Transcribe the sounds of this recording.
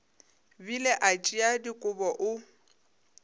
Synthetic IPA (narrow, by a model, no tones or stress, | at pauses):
bilɛʔat͡ʃʼiadikʼʊbɔʔʊ